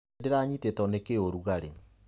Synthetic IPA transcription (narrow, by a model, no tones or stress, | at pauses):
deɾaɲitetɔnekeoɾuɣaɾe